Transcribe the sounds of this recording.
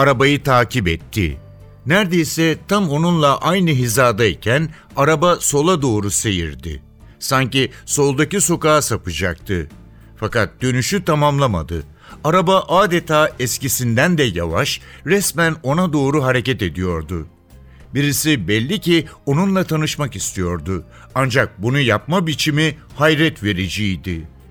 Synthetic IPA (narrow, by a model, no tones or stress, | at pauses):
aɾabajɯt̪ʰaːcʰibɛt̪ʰːɪ̰ | næɾd̪e̞jsɛt̪ʰamo̞nunlˠaʔajnɯɦizaːd̪aicʰæn | aɾabaso̞lˠad̪o̞ːɾuse̞jḭɾd̪ɪ̰ | saɲciso̞lˠd̪aciso̞kaːsapɯd͡ʒak̚t̪ʰɯ̰ | fakat̪̚d̪̥ø̞nyʃyt̪ʰamamlˠama̰d̪ɯ̰ | aɾabaʔaːd̪et̪ʰaːɛscisind̪ænd̪ɛja̰vaʃɾɛsmæno̞nad̪o̞ːɾuɦaɾe̞cɛt̪e̞d̪ijo̞ɾd̪ʊ | biɾisibɛlʲːicio̞nunlˠat̪ʰanɯʃmakist̪ʰijo̞ɾd̪ʊ | and͡ʒak̚bunujap̚mabit͡ʃʰimihajɾɛt̪ve̞ɾid͡ʒiːd̪ɪ